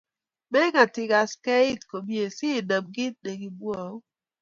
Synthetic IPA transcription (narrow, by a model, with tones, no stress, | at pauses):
mɛ˦ŋa˨tɪ˦ɡa˨ske˦ɪ˦tko˨bi˦e˨si˦˨də˨b̚ɡɪ˦t̚de˨ɡi˨bwɔ˦˨˦